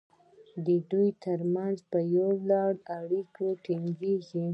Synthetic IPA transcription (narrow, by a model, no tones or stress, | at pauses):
d̪əd̪ujt̪əɾmanzpəjalɑɽaɽikoʈiŋɡeɡi